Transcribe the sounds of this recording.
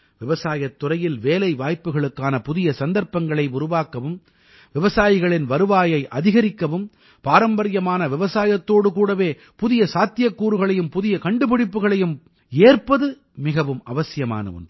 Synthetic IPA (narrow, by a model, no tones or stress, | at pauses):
ʋɪʋɐsaːjɐt̪ːʊrɐjɪlʋeːlɐɪʋaːjpːɯɣɐɭɯkːaːnɐpʊðɪjɐsɐnd̪ɐɾpɐŋɡɐɭɐɪʊɾʊʋaːkːɐʋɯm | ʋɪʋɐsaːjɪɣɐɭɪnʋɐɾɯʋaːjɐɪʔɐðɪɣɐɾɪkːɐʋɯm | paːɾɐmbɐɾɪjɐmaːnɐʋɪʋɐsaːjɐt̪ːoːɽɯkuːɽɐʋeː | pʊðɪjɐsaːt̪ːɪjɐkːuːɾɯɣɐɭɐjɯmpʊðɪjɐkɐɳɖɯpɪɽɪpːɯɣɐɭɐjɯm | eːrpɐðɯ | mɪɣɐʋɯmɐʋɐsɪjɐma̰ːnɐ̰ʋɯ̰n